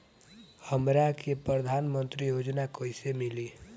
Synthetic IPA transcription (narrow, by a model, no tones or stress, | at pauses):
həmɾakʰepɾəd̪ʱaːnmə̃nt̪ɾijod͡ʒnakoisemili